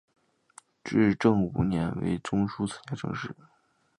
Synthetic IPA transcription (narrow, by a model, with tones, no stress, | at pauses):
ʈ͡ʂɻ̩˥˧ʈ͡ʂɤ˥˩ŋu˨˧˩njɛ˧˥nwḛ˧˥ɪʈ͡ʂʊ˥ŋʂu˥t͡s̩ʰ˨˩t͡ɕja˥˩ʈ͡ʂʰɤ̰˧˥ŋʂɻ̩˥˩